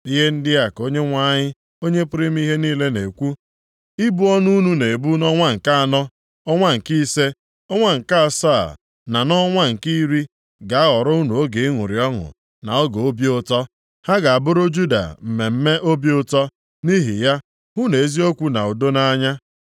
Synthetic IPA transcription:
i˦ɦe˦n̩˦dɪ˦a˨ko˦ɲe˦ŋʷa˦ɲɪ˦ | o˦ɲe˦pʊ˦ɾɪ˦m̩˦i˦ɦe˦niː˦le˦ne˨kʷu˦ | i˦bu˦ɔ˦nu˦nu˦ne˨e˨bu˦nɔ˦ŋʷa˦ŋ̩˨ka˦a˨nɔ˦ | ɔ˦ŋʷa˦ŋ̩˨ki˦se˦ | ɔ˦ŋʷa˦ŋ̩˨ka˦a˨sa̰˦˨ | na˨nɔ˦ŋʷa˦ŋ̩˨ki˦ɾi˦ | ɡa˨a˦ɔ˨ɾɔ˦u˦nu˨o˦ɡe˨i˦ŋʷʊ˨ɾi˨ɔ˦ɦʊ̰˨ | na̰˨ɔ˦ɡo˨o˦bi˦ʊ˦tɔ˦ | ha˦ɡa˨a˨bʊ˦ɾʊ˦d͡ʒu˦da̰˨m̩˨me˨m̩˦me˦ʔo˦bi˦ʊ˦tɔ˦ | ni˦ɦḭ˨ja˦ | ɦu˦ne˨e˦zi˦o˦kʷu˦na˨o˨do˦na˦ɲa˦

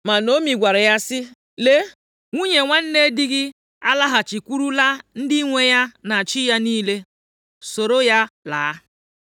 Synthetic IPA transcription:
ma˨no˦mi˨ɡʷa˨ɾɪ˨ja˦sɪ˦ | le˦ | ŋʷu˦ɲe˨ŋʷa˦n̩˦ne˦di˦ɡɪ˦ | a˦la˦ɦa˨t͡ʃi˨kʷu˦ɾu˦la˦n̩˦dɪ˦i˦ŋʷe˨ja˦na˨t͡ʃɪ˦ja˦niː˦le˦ | so˨ɾo˦ja˦laː˨˦

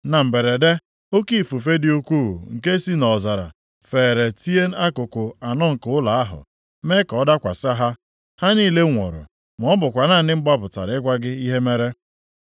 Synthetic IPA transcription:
na˨m̩˨be˨ɾe˨de˦ | o˦ki˦˨fu˨fe˦dɪ˦u˦kʷu˦˨ṵ˨ŋ̩˨ke˦si˦nɔ˨za˨ɾa̰˨ | fe˨ɾe˨ti˦e˦n̩˦a˦kʊ˨kʊ˨a˨nɔ˦ŋ̩˨kʊ˦ʊ˦la˨a˦ɦʊ̰˨ | me˦kɔ˦da˦kʷa̰˨sa˦ɦa˦ | ha˦niː˦le˦ŋʷo̰˨ɾʊ̰˨ | m˨ɔ˦bʊ˨kʷa˨naː˦˨nɪ˦m̩˦ba˦pʊ˨ta̰˨ɾɪ˦kʷa˦ɡɪ˦i˦ɦe˦me˦ɾe˦

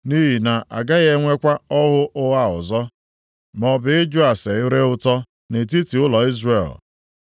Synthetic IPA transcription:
ni˦ɦi˨na˨ʔa̰˨ɡa˦ɣe˦ŋʷe˦kʷa˦ɔ˦ɦʊ˦ʔʊ˦a˦˨ʊ̰˨zɔ˦ | mɔ˨bɪ˨ɪ˦d͡ʒʊ˦a˨se˨ɪ˦ɾe˦ʊ˦tɔ˦ | ne˨t̬i˦ti˨ʊ˦lɔ˨i˦zrḛ˨l

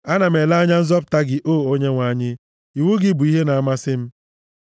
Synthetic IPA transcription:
a˦na˨m̩e˨la˦ɲa˦n̩˦zɔ˦p̬ʊ̥˨ta˦ɡɪ˨ʔoː˦˨o˦ɲe˦ŋʷa˨˦ɲɪ˦ | i˨wu˦ɡɪ˦bu˨i˦ɦe˦na˨a˦ma˦sɪ˦m̩˦

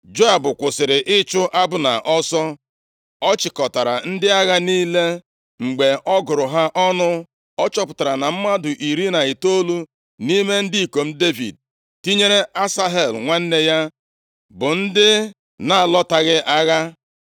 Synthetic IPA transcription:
d͡ʒo˦a˨bʊ˨kʷʊ˨sɪ˨ɾɪ˨ʔɪ˦t͡ʃʊ˦ʔa˦bʊ˦na̰˨ʔɔ˦sɔ˦ | ɔ˦t͡ʃɪ˨kɔ˨ta˨ɾa̰˨n̩˦dɪ˦a˦ɣa˦niː˦le˦ | ŋ͡m̩˨ɡ͡be˨ɔ˦ɡʊ˨ɾʊ˨ɦa˦ʔɔ˦nʊ˦ | ɔ˦t͡ʃɔ˦pʊ̥˨ta˨ɾa˨na˨m̩˦ma˦dʊ˨ʔi˨ɾi˦na˨ɪ˨to˦lu˦ | ni˦me˦n̩˦di˦i˨ko˨m̩˦de˦vḭ˨d̚ | ti˦ɲe˦ɾe˦a˦sa˦ɦe˨lŋʷa˦n̩˦ne˦ja˦ | bʊ˨n̩˦dɪ˦ | na˨lɔ˦ta˨ɣɪ˦ʔa˦ɣa˦

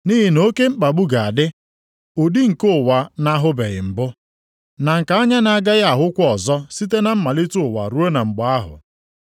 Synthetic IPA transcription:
ni˦ɦi˨no˦ke˦ŋ͡m̩˦k͡pa˨ɡ͡bu˦ɡa˨a˨dɪ˦ | ʊ˨di˦ŋ̩˨kʊ˦˨wa˨na˦ɦʊ˦be˨ɣɪ̰˨m̩˨bʊ˦ | na˨ŋ̩˨ka˨a˦ɲa˦na˨˦ɡa˦ɣa˨ɦʊ˦kʷɔ˨zɔ˦si˦t̬e˦na˨m̩˦ma˨li˦tʊ˦ʊ˨wa̰˨ɾu˦e˦na˨ŋ͡m̩˨ɡ͡ba˨˦a˦ɦʊ̰˨

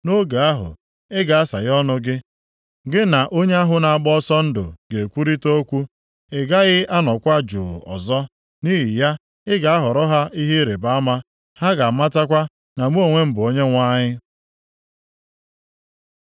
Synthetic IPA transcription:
no˦ɡa˨a˦ɦʊ̰˨ | ɪ˦ɡa˨a˦sa̰˨ɣɔ˦nʊ˦ɡɪ˦ | ɡɪ˦na˨ʔo˦ɲe˦a˦ɦʊ˨na˨a˨ɡ͡bɔ˦sɔ˦n̩˦dʊ̰˨ɡe˨kʷu˦ɾi˦to˦kʷu˦ | ɪ˨ɡa˦ɣɪ˦a˦nɔ˨kʷa˦d͡ʒʊ̰˨ɔ̰˨zɔ˦ | ni˦ɦi˨ja˦ | ɪ˦ɡa˨a˦ɦɔ˨ɾɔ˦ɦa˦i˦ɦi˦ɾe˨ba˦ma˦ | ha˦ɡa˨ma˦ta˦kʷa˦ | na˨m˦o˨ŋʷe˦m̩˦bʊ˨o˦ɲe˦ŋʷa˦ɲɪ˦

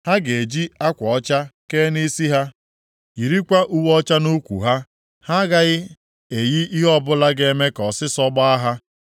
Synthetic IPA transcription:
ha˦ɡe˨d͡ʒi˦a˦kʷɔ˨ɔ˦t͡ʃa˦ke˦ni˦si˦ɦa˦ | i˨ɾi˦kʷa˦ʔu˦wɔ˦t͡ʃa˦no˦kʷṵ˨ɦa˦ | ha˦ɡa˦ɣɪ˦ | e˨ji˦ʔi˦ɦɔ˦bʊ˦la˦ɡe˦me˦kɔ˨sɪ˦sɔ˦ɡ͡ba˦a˦ɦa˦

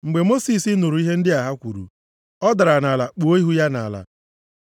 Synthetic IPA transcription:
ŋ͡m̩˨ɡ͡be˨mo˦si˨si˦nu˨ɾu˨˦i˦ɦe˦n̩˦dɪ˦a˨ɦa˦kʷu˨ɾṵ˨ | ɔ˦da˨ɾa˨na˨la˨k͡po˨˦i˦ɦu˦ja˦na̰˨la̰˨

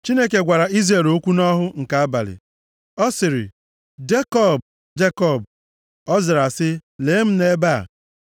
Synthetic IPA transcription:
t͡ʃi˦ne˦ke˨ɡʷa˨ɾa˨i˦zɾe˨lo˦kʷu˦nɔ˦ɦʊ˦ŋ̩˨ka˨a˦ba̰˨lɪ̰˨ | ɔ˦sɪ˨ɾɪ̰˨ | d͡ʒe˦kɔ˦˨b | d͡ʒe˦kɔ˦˨b | ɔ˦zɪ˨ɾa˨sɪ˦leː˨˦m̩˦ne˦ba̰˦˨

